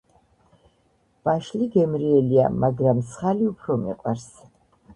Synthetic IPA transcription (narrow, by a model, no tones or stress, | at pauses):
b̥aʃliɡɛmɾiɛlia̰maɡɾamsχaliupʰɾɔmḭqʼwaɾs